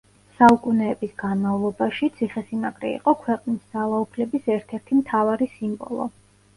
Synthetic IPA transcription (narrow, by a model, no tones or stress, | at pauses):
saukʼunɛːbisɡanmavlˠɔbaʃit̪sʰiχɛsinakʼɾɛ̰ḭqʼɔkʰwɛqʼnisd̪z̥alˠaupʰlɛbisɛɾt̪ʰɛɾt̪ʰimt̪ʰavaɾisimbɔ̰lˠɔ̰